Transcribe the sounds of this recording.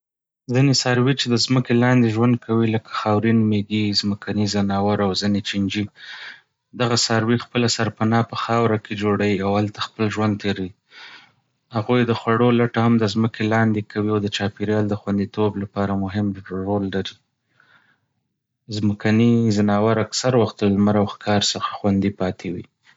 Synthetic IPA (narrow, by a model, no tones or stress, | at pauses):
zinesɑɾwit͡ʃed̪əzməkelɑnd̪eʒwand̪̚kʰawiləkḁxɑwɾinmeɡizməkʰanizanɑwaɾawzinet͡ʃɪnd͡ʒi | d̪aɣasɑɾwixpəlasaɾpanɑpəxɑwɾakʰed͡ʒoɽaiawhalt̪axpəlʒwand̪̚t̪ʰeɾi | haɣujd̪əxwaɽolaʈahamd̪azməkelɑnd̪ekawiawd̪ət͡ʃɑpeɾjɑld̪əxwand̪it̪oblapɑɾamʊɦɪmɾolːaɾi | zməkanizanɑwaɾaksaɾwaxt̪̚d̪əlmaɾawxkʰɑɾsəxḁxwand̪ipɑt̪ʰewi